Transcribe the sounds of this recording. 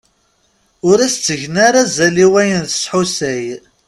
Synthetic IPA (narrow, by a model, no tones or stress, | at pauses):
ʊɾæst͡sːəʝnaɾazæliwæjənθə̥sħusæj